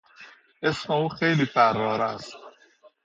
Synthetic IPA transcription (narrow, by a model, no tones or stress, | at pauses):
esmeuːxejliːfæɾːɒːɾæst̪